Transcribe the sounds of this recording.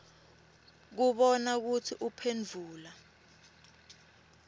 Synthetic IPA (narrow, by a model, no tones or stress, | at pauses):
k̬uɓɔnak̬utʰiʔupʰend͡ɮʱuːla